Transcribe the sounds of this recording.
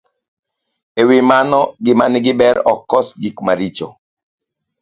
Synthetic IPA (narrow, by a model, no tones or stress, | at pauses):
ewɪmanɔɡɪmanɪɡɪbɛɾɔkːɔsɡikmaɾit͡ʃɔ̰